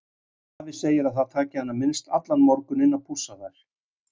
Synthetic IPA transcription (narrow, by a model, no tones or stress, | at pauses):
avɪseːjɪɾaðθaðt̪ʰaːcɪhanːamɪnst̪a̰t̪lanmɔɾkʏnɪnːapʰusaðaɾ̥